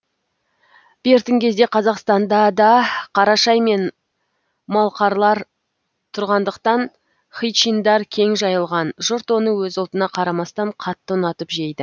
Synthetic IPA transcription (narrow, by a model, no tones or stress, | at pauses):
b̥e̞ɾt̪ɪŋkʲʰe̞zd̪e̞qʰɑzɑqst̪ɑnd̪ɑd̪ɑqʰɑɾɑʃɑjme̞n | mɑlˠqɑɾlˠɑɾ | t̪ʰʊɾʁɑnd̪əqt̪ɑn | χijt͡ʃind̪ɑɾkʲʰe̞ŋʒɑjəlˠʁɑnʒʊɾt̪wo̞nəwɵzʊlˠt̪ənɑqʰɑɾɑmɑst̪ɑɴqʰɑt̪ːənɑt̪əpʒe̞jd̪ɪ